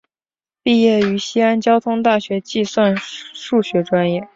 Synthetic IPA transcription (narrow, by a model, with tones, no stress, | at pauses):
pi˥˧jɛ˥˩y˧˥ɕi˥a˥nt͡ɕjɑ˥ʊt̪ʰʊ˥ŋt̪a˥˩ɕɥɛ˧˥t͡ɕi˥˧swa˥˧nʂu˥˩ɕɥɛ˧˥ʈ͡ʂwa˥njɛ˥˩